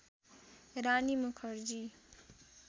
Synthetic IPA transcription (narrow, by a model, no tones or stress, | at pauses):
ɾanimukʰʌɾd͡ʒi